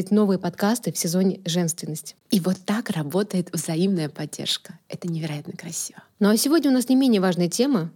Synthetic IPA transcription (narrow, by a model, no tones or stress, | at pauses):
ɪtʲno̞vɨjəpɐt̪kast̪ɨfsʲɪzo̞nʲɪʐɛnst̪vʲɪnːəsʲtʲɪ̥ivot̪ːakrɐbo̞t̪əjɪt̪vzɐimnəjəpɐdʲːḛrʂkə̥ɛt̪ənʲɪvʲɪɾɐjat̪nəkɾɐsʲi̥vənosʲɪvo̞dʲnʲəʊnasnʲɪmʲenʲɪjəvaʐnəjətʲemə